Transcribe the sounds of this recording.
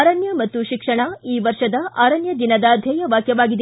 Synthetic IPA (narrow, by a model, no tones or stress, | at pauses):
ɾɐnjɐmɐt̪ːuʃikʂɐɳɐiːʋɐɾʂɐd̪ɐʔaːɾɐnjɐd̪inɐd̪ɐːd̪ʱjɐjɐʋaːkjɐʋaːɡid̪